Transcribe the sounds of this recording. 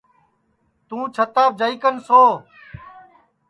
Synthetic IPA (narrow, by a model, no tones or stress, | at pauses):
t̪ũːt͡ʃʰət̪aːb̚d͡ʒəiːkənsoː